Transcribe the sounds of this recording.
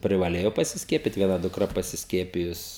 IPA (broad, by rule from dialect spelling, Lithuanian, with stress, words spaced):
pʲrʲɪʋɐˈlʲeːjoː pɐsʲɪsʲˈkʲiɛpʲɪt ʋʲiɛˈnɐ dʊkˈrɐ pɐsʲɪsʲˈkʲiɛpʲɪjʊs